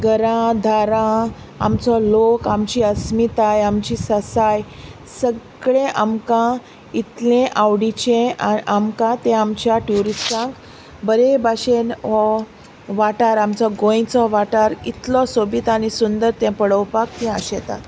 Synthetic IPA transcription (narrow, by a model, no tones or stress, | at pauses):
ɡəɾãd̪ʱaɾã | a̰mt͡sɔlokamt͡ɕiːəsmit̪ajamt͡ɕiːsəsaj | səɡɡɭẽʔamkã | it̪lẽʔawɽit͡ɕẽaamkãt̪ɛ̃amt͡ɕjaʈjuɾistãk | bəɾebʱaɕenɔ | ʋaʈaɾamt͡sɔɡõj̃t͡sɔʋaʈaɾit̪lɔsobit̪añisund̪əɾt̪ɛ̃pəɽəwpak̚t̪ɛ̃əɕɛt̪a̰t̪